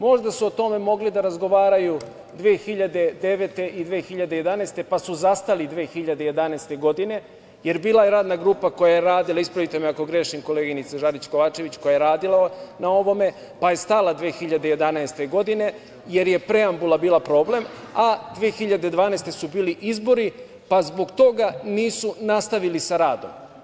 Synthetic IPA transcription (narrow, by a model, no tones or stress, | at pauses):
mo̞ʒd̪asuot̪o̞me̞mo̞ɡlid̪aɾazɡo̞ʋaːɾaju | d̪ʋeːxiʎad̪e̞d̪e̞ʋet̪e̞ʔid̪ʋeːxiʎad̪e̞je̞d̪anaːst̪e̞pasuzast̪alid̪ʋe̞ːxiʎad̪e̞je̞d̪anast̪e̞ɡo̞d̪ine̞ | je̞ɾbiːlˠajeɾaːd̪naɡɾuːpako̞jajeɾaːd̪ilˠaispɾaʋit̪emeako̞ɡɾeʃimko̞leːɡinit̪saʒaɾit͡ɕko̞ʋaːt͡ʃeʋit͡ɕko̞jajeɾaːd̪ilanao̞ʋo̞me̞ | paje̞st̪alˠad̪ʋeːxiʎad̪e̞je̞d̪anaest̪e̞ɡo̞d̪ine̞ | je̞ɾje̞pɾe̞ambulˠabiːlapɾo̞ːble̞m | ad̪ʋeːxiʎad̪e̞d̪ʋaːnast̪e̞subiːliʔizbo̞ɾi | pazbo̞ɡt̪o̞ɡaniːsunast̪aʋilisaɾaːd̪o̞̰m